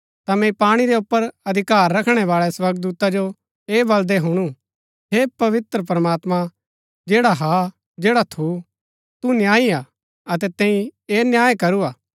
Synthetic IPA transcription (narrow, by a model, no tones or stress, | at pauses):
t̪amɛ̃paːɽ̃iɾɛʊpːəɾɐd̪ʱɪkaːɾːɐkʰɽ̃ɛʋaːɭɛswɐɾɡd̪uːt̪ad͡ʒo | eːbɐld̪eɦʊɽ̃ũ | ɦepɐʋɪt̪ɾəpɾəmaːt̪mã | d͡ʒeːɽaɦa | d͡ʒeːɽat̪ʰu | t̪unjaːia | ɐt̪ɛt̪ɛ̃ːĩeːnjaːjekɐɾuaː